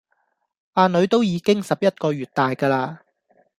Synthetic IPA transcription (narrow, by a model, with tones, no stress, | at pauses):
ʔaː˧nɵ˨˧˥ɥt̪o˥wjiː˨˧kɪ˥ŋsɐ˨p̚jɐ˥t̚kɔː˧ɥyː˨t̚t̪aː˨jkaː˧laː˧